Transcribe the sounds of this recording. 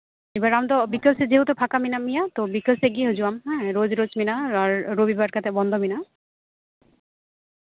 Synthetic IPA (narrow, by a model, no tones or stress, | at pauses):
ebaɹamt̪ɔbikəlsezeɦutɔpʰakaminamijat̪ɔbikəlseɡiɦozuwamɹozɾozminaaɹːobibaɹkʰat̪ʰɛbɔnd̪ʱɔmina